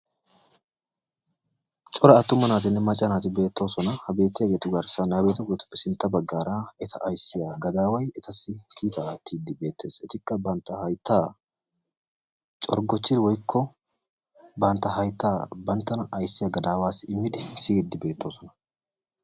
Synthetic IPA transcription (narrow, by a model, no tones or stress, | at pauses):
t͡ʃʼɔɾɐɐt̪ːʊmɐnaːt̪ɪnːɪmɐt͡ʃʼːɐnaːt̪ɪbe̞ːt̪ːo̞ːsɔnɐhɐbe̞ːt̪ːɪjɐjɛt̪ʊɡɐɾsɐnɐbeːt̪ɐɡɔt̪ʊ̥pːɛsɪnt̪ːɐbɐɡːaːɾaːɛt̪ʰɐʔɐjsːɪjaːɡɐd̪aːwɐjɛt̪ɐsɪkʰiːt̪ɐt̪ːiːd̪ɪbe̞ːt̪ʰːe̞ːsɛt̪ɪkʼːɐbɐnt̪ːɐhɐjt̪ːaː | t͡ʃʼɔɾɡɔt͡ʃːɪd̪wɔjkʰːɔ | bɐnt̪ːɐhɐjt̪ːaːbɐnt̪ːɐnɐʔɐjsːɪjaɡɐd̪aːwaːsɪɪmːɪd̪ɪsɪd̪ːɪbe̞ːt̪ːo̞ːsɔnɐ̥